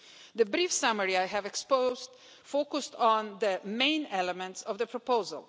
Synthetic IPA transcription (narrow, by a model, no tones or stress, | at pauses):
ðɨbɾifsʌməɹiajɦɨvɛkspoz | foʊkʊstn̩ðəmẽɪ̃nɛləmɛ̃ntsɔvðəpʰɹɔpoʊzə̰lˠ